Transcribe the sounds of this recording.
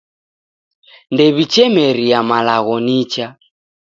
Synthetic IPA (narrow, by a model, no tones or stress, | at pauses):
ndɛβit͡ʃɛmɛɾiamalaɣɔnit͡ʃa